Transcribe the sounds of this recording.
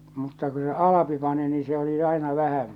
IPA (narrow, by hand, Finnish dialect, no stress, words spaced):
mutːɑ ku se ɑlɑpi pɑni niː se oli ɑinɑ ʋæhæm